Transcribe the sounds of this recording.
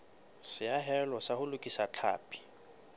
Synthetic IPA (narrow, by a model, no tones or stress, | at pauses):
sɪaɦɛlɔsahʊlʊkʼisat͡ɬʰa̰ːpʰʼi̥